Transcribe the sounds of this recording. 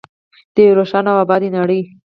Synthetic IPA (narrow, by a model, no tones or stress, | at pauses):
d̪̥eɾoʃɑnawabɑd̪enaɽəj